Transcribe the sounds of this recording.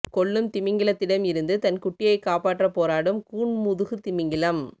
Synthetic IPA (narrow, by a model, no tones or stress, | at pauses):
kɔɭːɯmt̪ɪmɪŋɡɪlɐt̪ːɪɽɐmɪɾɯnd̪ɯt̪ɐnkʊʈːɪjɐɪkaːpaːʈːrɐpoːɾaːɽɯmkuːɳmʊðɯɣɯt̪ɪmɪŋɡɪlɐm